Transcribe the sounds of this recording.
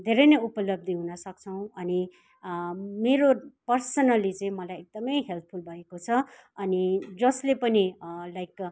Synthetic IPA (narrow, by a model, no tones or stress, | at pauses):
d̪ʱeɾʌjnʌjupʌlʌb̚d̪ʱiɦunʌsʌk̚t͡sʰʌw̃ʌni | meɾopʌrsʌnʌlit͡sʌĩmʌlajek̚d̪ʌmʌjɦelt̪̚ʰpʰulbʱʌekot͡sʰʌ | ʌnid͡zʌslepʌnilajk